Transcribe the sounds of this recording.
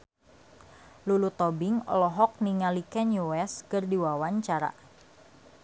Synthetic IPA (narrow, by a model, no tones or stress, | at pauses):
lulut̪ɔbɪŋɔ̰lɔɦɔk̚niŋalikɛnjuwɛskərdiwawaɲt͡ʃaɾa̰